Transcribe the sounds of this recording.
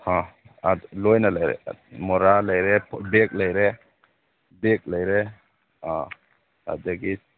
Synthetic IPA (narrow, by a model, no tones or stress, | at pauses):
hãalɔjnalajɾɛ̰mɔɾalajɾɛpʰbɛk̚lajɾɛ | bek̚lajɾɛ | ã | a̰d̪eɡi